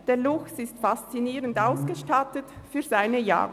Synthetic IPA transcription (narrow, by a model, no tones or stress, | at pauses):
d̥eːɐlʊxtɪstfast͡siniːʁəndʔaʊsɡ̥əʃtatətfyːɐzaɪnəja̰ːʁə